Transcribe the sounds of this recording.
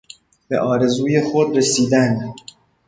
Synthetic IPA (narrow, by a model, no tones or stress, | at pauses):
b̥e̞̰ʔɒːɾe̞zuːjexod̪resiːd̪æn